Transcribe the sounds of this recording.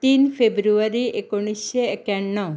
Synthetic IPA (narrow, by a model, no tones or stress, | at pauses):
t̪infʰebɾuʋəɾiekuɽ̃iseːkjaɳːɔ